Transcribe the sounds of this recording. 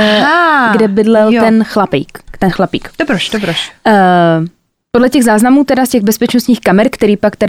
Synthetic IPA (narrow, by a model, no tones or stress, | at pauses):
aɡdɛbɪdlɛljtt̪ɛnxlapḭːkt̪ɛnxlapḭːkd̪obɾoʃdobɾoʃ | podlɛcɛɣzaːznamuːt̪ɛdascɛɣbɛspɛt͡ʃnost̪ɲiːxkamɛɾkt̪ɛɾiːpakt̪ɛɾ